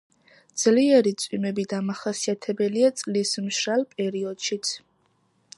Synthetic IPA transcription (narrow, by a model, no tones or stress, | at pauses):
d̪z̥liɛɾit̪sʼwimɛbid̪amaχasiat̪ʰɛbɛliat̪sʼlismʃɾalˠpʼɛɾiɔd̪̥ʃit̪sʰ